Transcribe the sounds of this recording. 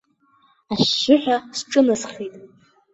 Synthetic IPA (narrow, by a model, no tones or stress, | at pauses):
aʃːʊħʷᶣasʈ͡ʂʼɨnasχitʼ